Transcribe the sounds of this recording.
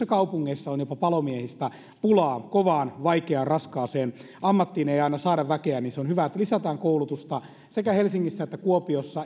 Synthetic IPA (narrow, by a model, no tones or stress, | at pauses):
ekɑupuŋːeisːɑonjopɑpɑlomiehist̪æ | pulɑːkoʋɑːnʋɑikeɑnrɑskɑːseːn | ʔɑmːɑt̪ːiːneiɑinɑsɑːdɑʋʋækeænniːnseonhyʋæet̪ːælisæt̪æːŋkoulut̪ust̪ɑ | sekæhelsiŋːisːæet̪ːækuopiosːɑ